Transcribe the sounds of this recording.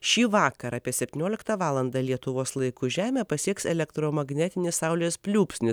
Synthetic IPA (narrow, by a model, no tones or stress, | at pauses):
ʃʲiːʋɑːkɐɾɑːpʲiɛsʲɛpʲt̪ʲiːnʲoːlʲɪkt̪ɑʋɑːlˠɐnd̪ɐlʲiɛt̪ʊʋoːslˠɐɪkuʒʲæːmʲæːpɐsʲiɛksɛlʲɛkt̪ɾoːmɐɡnʲɛt̪ʲɪnʲɪssɑʊlʲeːspʲlʲuːpʲsʲnʲɪs